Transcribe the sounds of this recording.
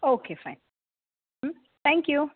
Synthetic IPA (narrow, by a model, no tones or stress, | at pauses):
okʰefãɪ̃n | m̩ | t̪ɛ̃ŋkju